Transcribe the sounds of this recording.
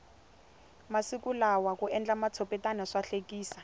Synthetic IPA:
masikulawakuɛnd͡ɮamat͡sʰɔpɛtanaʂaɬekiːsa

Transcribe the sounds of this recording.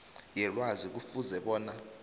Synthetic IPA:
jɛlwazik̬ufuzɛɓɔːna

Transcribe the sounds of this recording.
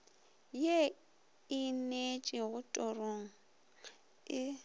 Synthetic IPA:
je | ɪnet͡ʃʼɪɣʊtʼɔroŋ̩ | ɪ

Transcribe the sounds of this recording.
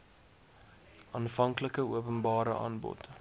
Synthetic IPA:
ʔɑːnfɐŋkləkəuəpənbɑːɾə̰ʔɑ̰ːnbɔ̰t

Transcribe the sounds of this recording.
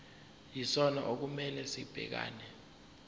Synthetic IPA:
jisɔna̰ʔok̬umɛlɛsib̥ʱɛ̰k̬a̰ːnɛ

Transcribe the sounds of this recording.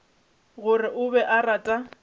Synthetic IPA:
ɣʊrɪʔʊbɛʔaratʼa

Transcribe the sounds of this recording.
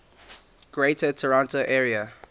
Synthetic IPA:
ɡ̥ɹetətʰəɹãntoʔɛːɹiə

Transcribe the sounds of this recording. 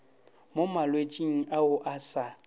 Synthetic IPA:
momalwet͡ʃʼiŋ̩ʔaʊʔasa

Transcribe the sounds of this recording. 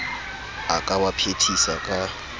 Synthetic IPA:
akʼawapʰetʰisakʼa

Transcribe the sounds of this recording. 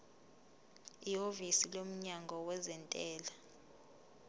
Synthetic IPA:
iovisilom̩ɲaŋɡʱɔwɛzɛntʼɛːla

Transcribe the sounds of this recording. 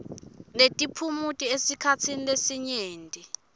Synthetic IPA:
netʼipʰumutʼiesikʰat͡sʰinilesiɲeːntʼi

